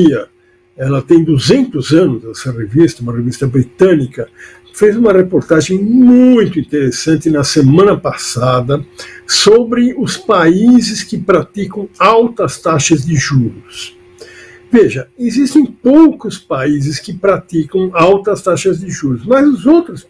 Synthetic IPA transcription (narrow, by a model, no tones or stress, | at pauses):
iɐ | ɛlɐt̪ẽj̃d̪uzẽnt̪ʊzɐ̃nʊzd̪ɛsɐrevist̪ɐũmɐrevist̪ɐbɾit̪ɐ̃nikɐ | fejzũmɐʁepoɾt̪aʒẽj̃mũj̃t̪ʊĩnt̪eɾesɐ̃nt̪ɪnɐsemɐ̃nɐpasad̪ɐsobɾɪʊspaizɪskɪpɾat̪ikɐ̃w̃awt̪ɐst̪aʃɐzd̪ɪʒuɾʊs | veʒɐezist̪ẽj̃powkʊspaizɪskɪpɾat̪ikɐ̃w̃awt̪ɐst̪aʃɐzd̪ɪʒuɾʊsmɐzʊzowt̪ɾʊs